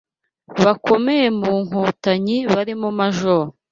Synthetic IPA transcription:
βakʰo̞mejemuːŋ̥oːtaɲiβaɾimumaʒo

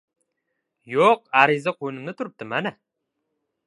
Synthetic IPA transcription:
joqæɾizaqʰojnɨmnɪt̪ʰuɾɨp̚t̪ʰɨmænɛ

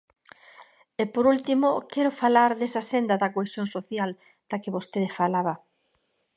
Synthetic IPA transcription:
epoɾult̪imokɛɾofalaɾðesasend̪ɐðɐkoesjoŋsoθjal | d̪̥ɐkɪβost̪eðefalaβɐ

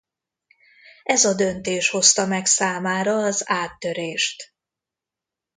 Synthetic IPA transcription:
ɛzɒd̪ø̞nt̪eːʃho̞st̪ɒmɛksaːmaːɾɒːzaːt̪ːøɾeːʃt̪

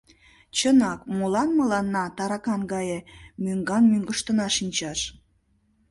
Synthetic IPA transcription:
t͡ɕənɑkmulɑnməlɑnːɑt̪ɑɾɑkɑnɡɑjemyŋɡɑnmyŋɡəʃt̪ənɑʃinʲt͡ɕɑʃ

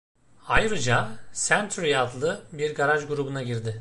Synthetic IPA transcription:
ajɾɯd͡ʒasænt̪ʰɾijad̪lˠɯbiɾɡaɾaʒɡuɾubunaɟiɾd̪ɪ

